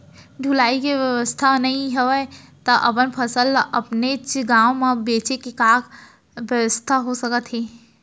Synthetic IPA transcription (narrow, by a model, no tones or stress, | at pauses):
ɖʱulaːikeʋjəʋəst̪ʰanɐɦĩɦɛʋət̪əʔɐpənpʰəsəlɐpnet͡ʃɡaːõmẽbeːt͡ʃekekaːk | ʋjəwəst̪ʰaɦosəkət̪ɦeː